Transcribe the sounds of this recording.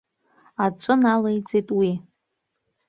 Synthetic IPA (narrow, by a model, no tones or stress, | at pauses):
at͡ɕʷʰʼɨnalejt͡sʼejtʼwi